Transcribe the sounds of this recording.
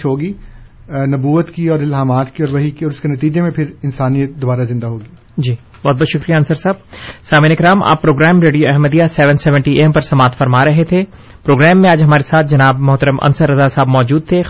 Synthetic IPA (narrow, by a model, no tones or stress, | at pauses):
ɦoːɡiː | nɐbuːət̪kiɔːɾɪlɦaːmaːt̪kiɔːɾʋɐɦikiɔːɾʊskenɐt̪iːd͡ʒemẽpʰɪɾɪnsaːnijət̪̚d̪obaːɾazɪ̃nd̪aɦoːɡiː | d͡ʒiː | bɔːt̪̚bɔːt̪ʃʊkɾijaɐnsəɾsaːb̚saːminɪkɾaːmʔa̰ːpːɾoːɡɾɛːmɾeːɖijoɛɦməd̪ijasɛʋənsɛːʋə̃ɳʈiʔempɐɾsɐmaːt̪ʰfɐɾmaɾɐɦet̪ʰe | pɾoːɡɾɛːmːẽaːd͡ʒɦɐmaːɾesaːt̪̚ʰd͡ʒɐnaːbmɐɦt̪əɾəmʔɐ̰nsəɾːɐzasaːbmɔːd͡ʒuːd̪̚t̪ʰe